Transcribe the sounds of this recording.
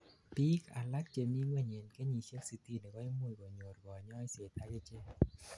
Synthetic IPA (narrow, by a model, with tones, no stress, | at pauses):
pi˦ka˨la˦k̚t͡ʃe˨mi˦ŋwɛ˦˨ɲe˨nke˦ɲi˨se˦ksi˨t̪i˦˨nɛ˨ɡɔ˦i˦mu˦˨ɡɔ˨ɲo˨ɾɡɔ˨ɲɔ˦se˨t̪a˦ke˦t͡ʃe˦